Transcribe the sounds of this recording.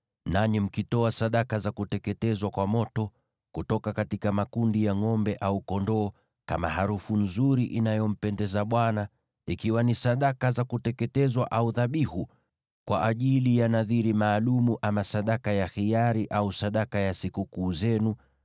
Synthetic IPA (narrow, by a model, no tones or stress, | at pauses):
naɲim̩kitɔasaɗakazakutɛkɛtɛzwakwamɔtɔ | kutɔkakatikamakundijaŋɔmbɛʔaukɔndɔː | ka̰ma̰haɾufun̩zuɾiʔinajɔm̩pɛndɛzaɓwana | ikiwanisaɗakazakutɛkɛtɛzwaʔauðaɓihu | kwa̰ʔaʄilijanaðiɾimaːlumuʔamasaɗakajaxijaɾiʔausaɗakajasikukuːzɛnu